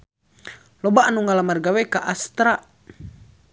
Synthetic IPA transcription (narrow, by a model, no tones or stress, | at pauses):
lɔbaːnuŋalamarɡawɛkaʔast̪ɾa